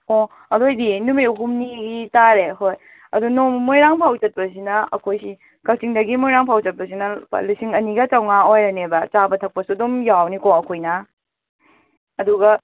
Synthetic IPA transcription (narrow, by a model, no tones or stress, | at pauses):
kɔ | ɐdojdinumiuɦumniɡitaɾeɦoj | ɐdunomojɾaŋpʰawd͡ʒɐt̚pɐsinɐɐkʰojsi | kakt͡ʃiŋdɐɡimojɾaŋpʰawd͡ʒɐt̚pɐs̬inɐ̰lusiŋɐniɡɐt͡ʃawŋaojɾɐnebɐt͡ʃabɐtʰɐk̚pɐsuɐdumjawnikɔɐkʰojnɐ | duɡɐ